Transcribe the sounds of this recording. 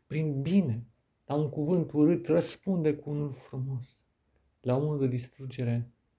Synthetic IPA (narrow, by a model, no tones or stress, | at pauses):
pɾinbine̞ | lauŋkuvɨnt̪uɾɨt̪rəspund̪e̞kuunulfɾumo̞s | launuld̪ed̪ist̪ɾud͡ʒe̞ɾe̞